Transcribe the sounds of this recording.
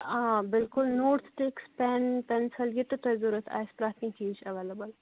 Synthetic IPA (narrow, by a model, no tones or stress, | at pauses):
abɪlkʊlnoːɾt̪ʰʈeːkspɛnpɛnsɐljit̪ut̪ɐjzuɾɐt̪ʰa̰ːspɾaːt̪ʰmit͡ʃiːt͡ʃɐʋeːlɐbɐl